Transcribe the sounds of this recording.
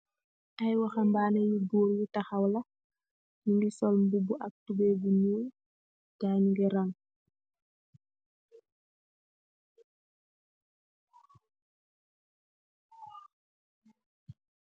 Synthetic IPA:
ʔajwaxambaːnɛjubuːɾjutaxɐwlɐ | juŋɡisɔlmbubuʔɐk̚tubɛbuɲuː | ɟaːɲuŋɡɛɾaŋ

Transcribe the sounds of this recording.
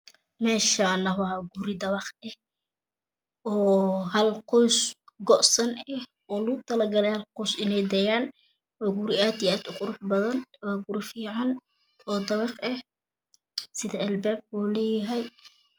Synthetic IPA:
mɛːʃaːnɐwɑɡuɾɪd̪ɐβɑqɛh | ɔːhɐlqɔwsɡɔʔsɐnɛh | ʔɔːlʊɣʊt̪ʰɐlɐɡɐlɛhɐlqʊːsɪnɛjd̪ɐjaːn | ɔɡuɾɪaːd̪iaːd̪ʊqʊɾʊħbɐðɐnwɑːɡʊɾɪfiːʕɑn | ɔːd̪ɐβɑqɛh | sɪðɐɛlbɛːb̚ɡuːlɛːjɐɦɛj

